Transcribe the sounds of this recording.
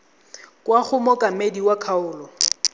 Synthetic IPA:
kʼwaχʊmɔkʼamediwakʰaʊːlɔ

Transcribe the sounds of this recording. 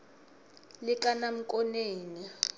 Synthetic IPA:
lɪkʼanam̩kʼɔneːni

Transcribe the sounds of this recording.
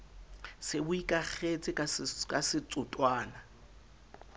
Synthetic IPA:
sɪbʊikʼak͡xʰet͡sʼɪkkʼasɪt͡sʼʊtʼwaːna

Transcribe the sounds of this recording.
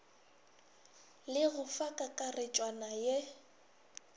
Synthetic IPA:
lɪɣʊfakʼakʼarɪt͡ʃʼwanaje

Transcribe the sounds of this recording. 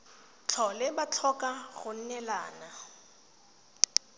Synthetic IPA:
t͡ɬʰɔlɪbat͡ɬʰɔkʼaɣʊn̩nɛla̰ːna

